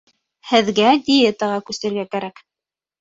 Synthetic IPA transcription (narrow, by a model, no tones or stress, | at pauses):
hɘ̆ðɡæd̪ʲɪjet̪əʁɑkʉst̪ɘ̆ɾɡækæɾæk